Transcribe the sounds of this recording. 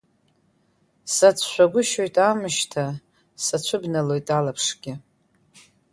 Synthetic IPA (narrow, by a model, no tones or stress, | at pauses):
sat͡sʷʰʃʷᶣaɡʷʊʃojtʼamɨʃtʰa | sat͡ɕʷʰʊbnalo̞jtʼalapʰʂɡ̥ʲɪ